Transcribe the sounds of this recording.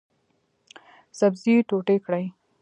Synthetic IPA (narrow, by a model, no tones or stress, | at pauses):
sabziʈoʈekɽaj